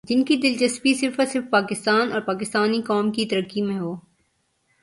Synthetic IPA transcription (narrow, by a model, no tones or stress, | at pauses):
d͡ʒɪnkid̪ɪlt͡ʃɐspisɪɾfɐsɪɾfpaːkɪst̪aːnɔːɾpaːkɪst̪aːnikɔːmkit̪ɐɾəkːimẽɦoː